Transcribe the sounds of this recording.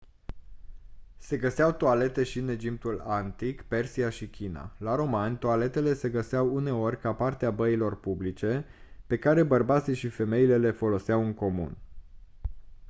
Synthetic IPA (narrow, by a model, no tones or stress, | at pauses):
se̞ɡəseawt̪oale̞t̪e̞ʃine̞d͡ʒip̚t̪ulant̪ikpe̞rsiaʃikʲina̰laɾo̞manʲt̪oale̞t̪e̞le̞se̞ɡəseawune̞o̞rʲkapart̪eabəilo̞rpublit͡ʃe̞ | pe̞kaɾe̞bərbat̪siʃife̞me̞ile̞le̞fo̞lo̞seawɨŋko̞mṵn